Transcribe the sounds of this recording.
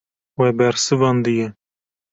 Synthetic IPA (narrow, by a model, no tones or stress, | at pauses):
wɛbɛɾsɨvɑnd̪ɨjɛ